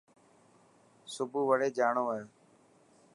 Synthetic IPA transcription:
sʊbʱuːʋəɽeːd͡ʒaːɳoːəɦeː

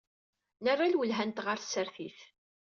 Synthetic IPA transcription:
nərˤːalwəlɦænt̪ʁəɾθsəɾθiθ

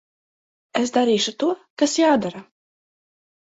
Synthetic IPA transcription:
es̬d̪aɾiːʃut̪uɔkasjaːd̪aɾa

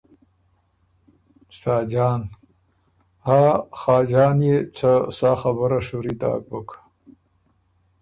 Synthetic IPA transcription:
sɑːd͡ʒɑːn | haxɑːd͡ʒɑːnjet͡səsɑxabəɾaʂuɾid̪ɑ̰ːk̚bəkʰḁ

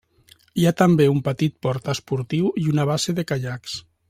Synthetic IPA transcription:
iat̪ambeumpət̪it̪̚pɔɾt̪əspuɾt̪iwiunaβ̞aseðekaʎaks

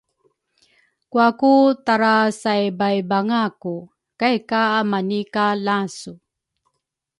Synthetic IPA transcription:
kuakutaɾasajbajbaŋaku | kajkaːmanikalasu

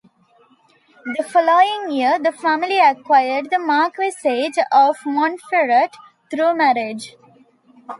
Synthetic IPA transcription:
d̪əfɔloːɪ̃ŋjiəɾd̪əfæmɪliəkwaɪəɖd̪əmaːkʋɪseːd͡ʒɔːʋmɔ̃nfeɾəʈ | t̪ɾuːmæɾɪd͡ʒ

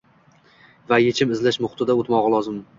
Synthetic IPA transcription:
vajet͡ʃʰɪmɪzlɪʃmʊχt̪ɪd̪aot̪mɒʁlˠɒzɪm

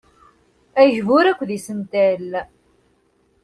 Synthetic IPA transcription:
æjəʒvʊɾækʷːðisənt̪æl

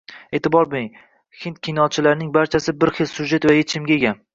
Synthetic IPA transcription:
e̞t̪ʰɪbɒɾbej | hɪnt̪̚kʲʰinɒt͡ʃʰɪlaɾɪnɪŋbaɾt͡ʃʰasɪbɪɾχelsʊʒe̞t̪vajet͡ʃʰɪmɡʲaeɡʲan

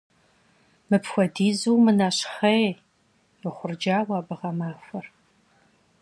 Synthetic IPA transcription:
mɨpxʷɔdiːzuwmɨnaːɕχɐ | ɪχʷʊrd͡ʒaːwaːbɨʁɐmaːfʷɐr

